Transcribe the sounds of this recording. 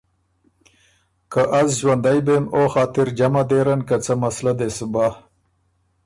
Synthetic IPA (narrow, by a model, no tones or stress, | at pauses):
kaʔazʒwand̪ajbemoxɑːt̪ɪɾd͡ʒamad̪eɾankat͡səmaslad̪esba